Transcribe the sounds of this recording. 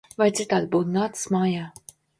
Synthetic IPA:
vajt̪sit̪aːd̪̚buːt̪naːt̪ɨ̥smaːjaː

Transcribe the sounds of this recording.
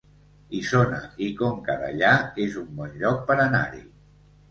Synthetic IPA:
isonaikoŋkaða̰ʎaezumbɔnʎɔk̚pəɾəna̰ɾḭ

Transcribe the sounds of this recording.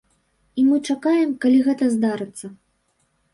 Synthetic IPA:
imɨt͡ʂakajɛmkalʲiɣɛt̪ɐzd̪aɾɨt̪sːɐ

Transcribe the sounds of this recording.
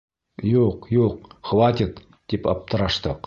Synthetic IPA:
juqjuqχvat̪ʲɪt̪ | d̪ipɑp̚t̪ʰəɾɑʃt̪ɤq

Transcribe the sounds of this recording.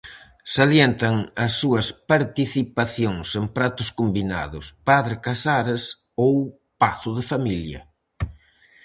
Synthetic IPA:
saljent̪ɐŋɐsːuɐspaɾt̪iθipaθjoŋseŋpɾat̪ʊskombina̰ðʊspaðɾɪkasaɾɪs | ow | paθʊðɪfamiljɐ̰

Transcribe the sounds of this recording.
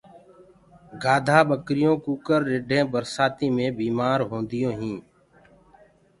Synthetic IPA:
ɡaːd̪ʱaːɓəkɾɪjõːkuːkəɾːɪɖʱẽːbəɾsaːt̪ĩːmẽːbiːmaːɾɦõːnd̪ɪjõːɦĩː

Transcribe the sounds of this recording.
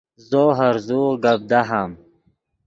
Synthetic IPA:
zoɦaɾzuʁɡab̚d̪aɦam

